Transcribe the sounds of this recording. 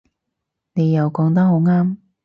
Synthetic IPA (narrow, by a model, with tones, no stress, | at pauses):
ne˨˧jjɐ˨wkɔː˨˧˥ŋt̪̬ɐ˥k̚ho˨˥wŋaː˥m